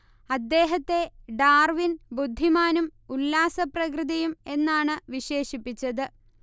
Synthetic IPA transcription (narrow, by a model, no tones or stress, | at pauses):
ɐd̪ːe̞ːɦɐt̪ːe̞ɖaːrʋinbud̪ʱːimaːnumulːaːsɐprɐkrɨðɐjume̞nːaːɳɨʋiɕe̞ːɕipːit͡ɕːɐðɨ